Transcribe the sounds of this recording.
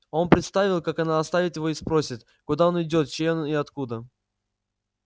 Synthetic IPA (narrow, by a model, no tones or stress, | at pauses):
o̞npɾʲɪt̪st̪avʲɪlˠkakɐnaɐst̪avʲɪt̪jɪvo̞ɪspɾo̞sʲɪt̪ | kʊd̪aonɪdʲo̞t̪t͡ɕenɪɐt̪kud̪ə